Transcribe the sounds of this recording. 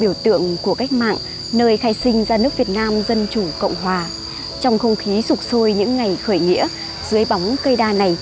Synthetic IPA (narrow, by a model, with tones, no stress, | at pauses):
ɓi˧˩əwt̪ɨ̰˧˨əŋku˧˩əka˦˥jk̟̚ma̰ː˧˨ŋ | nəː˧jxaː˧jsï˧ŋ̟zaː˧nɨ˦˥ək̚vi˨˩ət̚naː˧mzə˧nt͡ɕu˧˩kə̰˧˨wŋ͡mɦwaː˨˩ | t͡ɕɔ˧wŋ͡mxə˧wŋ͡mxi˨˦sʊ˨˩k͡p̚so˧jɲɨ̰˧˥ŋːa˨˩jxəː˧˩jŋḭ˧˥ə | z̥ɨ˨˦əjɓa˨˦wŋ͡mkə˧jɗaː˧na˨˩j